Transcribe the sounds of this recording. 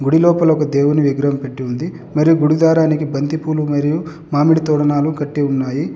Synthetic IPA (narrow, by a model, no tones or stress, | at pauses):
ɡuɽilɔːpɐlɔkɐd̪eːwuniʋiɡɾɐɦmpe̞ʈːiund̪i | mɐɾijuɡuɽud̪aːɾaːnikibɐnt̪ipuːlumɐɾiju | maːmiɽit̪ɔːɽɐnaːlukɐʈːiunːaːji